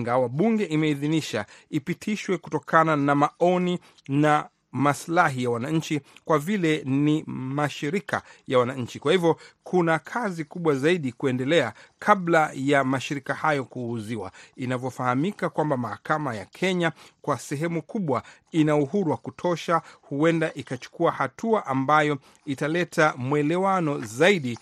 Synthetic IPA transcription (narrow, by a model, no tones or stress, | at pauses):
ŋɡawaɓuŋɡɛʔimɛiðiniʃaipitʰiʃwɛkutɔkʰananamaɔni | na | maslaɦijawanaɲ̩t͡ʃikwavilɛnimaʃiɾika̰jawanaɲ̩t͡ʃikwahivjɔkʰunakʰazikuɓwazaiɗikuɛndɛlɛakʰaɓlajamaʃiɾikahajɔkuːziwa̰inavjɔfahamikakwambamahakamaja̰kʰɛɲakwasɛɦɛmukʰuɓwa | inauɦuɾuwakutʰɔʃahuɛndaʔikat͡ʃu̥kuahatuaʔambajɔ | italɛtʰamwɛlɛwanɔzaiɗi